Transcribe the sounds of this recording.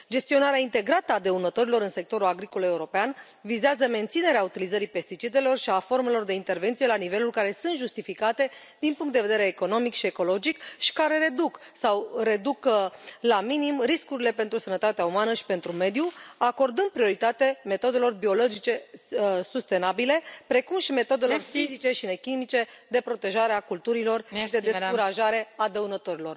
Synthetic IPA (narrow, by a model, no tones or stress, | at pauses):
d͡ʒe̞st̪ionaɾeaint̪e̞ɡɾat̪əad̪e̞unət̪o̞ɾilo̞ɾɨnse̞k̚t̪o̞ɾulaɡɾiko̞le̞uɾo̞pean | vizeazəme̞nt̪sine̞ɾeaut̪ilizəɾipe̞st̪it͡ʃid̪e̞lo̞rʃiafo̞rme̞lo̞rd̪e̞int̪e̞rve̞nt̪sije̞lanive̞lulkaɾe̞sɨnt̪ʒust̪ifikat̪e̞ | d̪inpuŋkt̪d̪evee̞ɾeːko̞no̞mikʃie̞ko̞lo̞d͡ʒikʃi̥kaɾe̞ɾe̞d̪uksawre̞d̪uklaminimɾiskuɾile̞pe̞nt̪ɾusənət̪at̪eaumanəʃi̥pe̞nt̪ɾume̞d̪juako̞rd̪ɨnd̪̚pɾio̞ɾit̪at̪eme̞t̪o̞d̪e̞lo̞rbio̞lo̞d͡ʒit͡ʃe̞sust̪e̞nabile̞pɾe̞kumʃime̞t̪o̞d̪e̞lorfizit͡ʃe̞ʃine̞kimit͡ʃe̞d̪e̞pɾo̞t̪e̞ʒaɾeakult̪uɾilo̞rʃid̪e̞eskuɾaʒaɾe̞ad̪əunət̪o̞ɾilo̞r